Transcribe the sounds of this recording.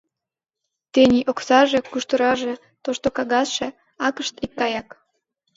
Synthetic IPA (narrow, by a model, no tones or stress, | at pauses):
t̪enʲiʔoksɑʒekuʃt̪əɾɑʒe | t̪oʃt̪okɑɣɑsʃe | ɑkəʃt̪ikːɑjɑk